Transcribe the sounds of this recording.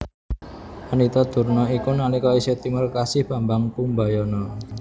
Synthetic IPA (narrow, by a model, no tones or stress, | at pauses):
wanit̪ɔd̪̥ṳrnɔikunalikɔiset̪imərkasɪhb̥a̤mbaŋpumbajɔnɔ